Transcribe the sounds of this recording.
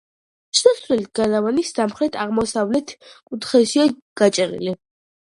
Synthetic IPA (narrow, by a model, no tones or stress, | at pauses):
ʃasvɛlit̪̚ɡ̥anavanisːamχɾɛt̪ʰaʁmɔsavlɛt̪ʰkʼut̪ʰχɛʃia | ɡ̥at͡ʃʼɛʁḭli